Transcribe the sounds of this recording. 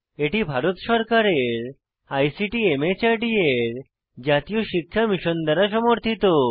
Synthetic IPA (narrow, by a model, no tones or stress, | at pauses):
eʈibʱaɾot̪ʃɔɾkaɾeɾ | ajsiʈiemet͡ɕaʈieɾ | d͡ʑat̪ijoʃikʰːamiʃond̪aɾaʃɔmoɾt̪ʰit̪o